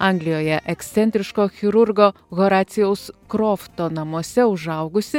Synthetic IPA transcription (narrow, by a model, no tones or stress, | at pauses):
ɐŋɡlʲɪjoːjɛʔɛkst̪sʲɛnʲt̪ʲɾʲɪʃkoːxʲɪɾʊɾɡoː | ɣoːɾɑːt̪sʲɪjɛʊskɾɔːft̪oːnɐmuɔsʲɛʊʒɐʊɡʊsʲɪ